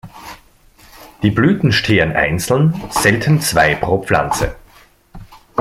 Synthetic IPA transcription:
d̥iːblyːtn̩ʃtʰeːənʔa̰ɪnt͡sl̩nz̥ɛltʰn̩t͡sv̥aɪpʁ̥oːp͡fla̰nt͡sə̰

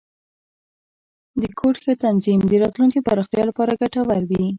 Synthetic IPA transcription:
d̪əkʰoʈxet̪anzimd̪əɾɑt̪lunkipaɾɑxt̪jɑlapɑɾaɡaʈawaɾwi

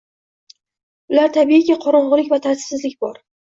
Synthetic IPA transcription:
ʊlaɾt̪ʰabiɪkʲaqʰɒɾɒɴʁɨlˠɪkʲvat̪ʰaɾt̪ʰɪ̥sɪzlɪk̚ʲbɒɾ

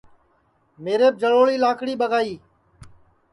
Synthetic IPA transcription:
meːɾeːb̚d͡ʒəɭoːɭiːlaːkʰɽiːɓəɡaːiː

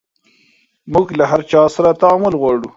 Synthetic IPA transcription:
mʊɡlaɦaɾt͡ʃɑsaɾat̪aːmʊlɣwɑɽu

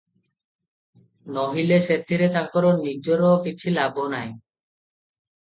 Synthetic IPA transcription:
nɔɦileʃet̪ʰːiɾet̪akɔɾonːid͡ʒoɾɔokit͡ɕʰilabonaj

